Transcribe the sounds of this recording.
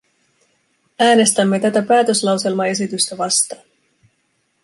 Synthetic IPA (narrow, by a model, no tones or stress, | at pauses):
æːne̞st̪æmːe̞t̪æt̪æpæːt̪ø̞slɑwse̞lmɑe̞sit̪yst̪æʋɑst̪ɑːn